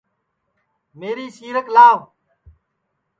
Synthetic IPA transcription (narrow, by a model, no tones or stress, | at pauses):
meːɾiːsiːɾəklaːʋ